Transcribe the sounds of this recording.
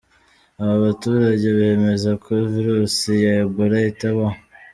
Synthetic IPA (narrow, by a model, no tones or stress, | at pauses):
aβaβatuːɾaɟe̞βaeme̞zakoviɾusijaiɡuɾaitaβa